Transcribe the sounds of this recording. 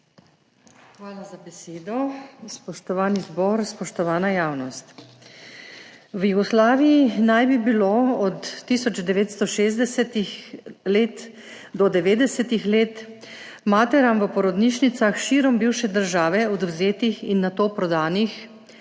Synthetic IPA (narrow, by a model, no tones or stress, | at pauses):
xʋaːlazabɛseːd̪ɔspɔʃt̪ɔʋaːnizbɔːɾspɔʃt̪ɔʋaːnajaːwnɔst̪ | wjuɡɔslaːʋijinajbibiloːɔt̪ːisɔd͡ʒd̪ɛʋeːt̪st̪ɔʃezd̪ | let̪ | d̪ɔd̪ɛʋeːd̪ɛsɛt̪ixleːt̪ | maːt̪ɛɾamʋəpɔɾɔd̪niːʃnit̪saxʃiɾɔmbiwʃɛd̪əɾʒaːʋɛɔd̪wzeːt̪ixinːat̪oːpɾɔd̪aːnix